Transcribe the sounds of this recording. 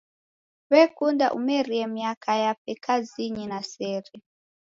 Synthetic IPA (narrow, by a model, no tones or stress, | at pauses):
βɛkunda̰ʔṵmɛɾiɛmiakajap̚ɛkʰaziɲinasɛːɾɛ